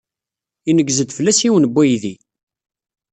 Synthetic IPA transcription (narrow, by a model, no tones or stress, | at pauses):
inəɡːzəd̪fəlːæsiwənbːæjði